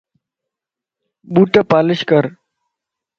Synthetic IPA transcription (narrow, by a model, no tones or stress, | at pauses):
ɓuːʈaːpaːlɪʃkəɾ